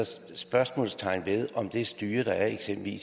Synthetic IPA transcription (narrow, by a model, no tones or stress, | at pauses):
sb̥ɶɐsmɔ̰ːlst͡sʰɑ̈ɪ̰nʋe̝ðˠɒ̽md̥e̝sd̥yːɐɾ̥ɑ̈æɐe̝ɡ̥semb̥l̩ʋḭːs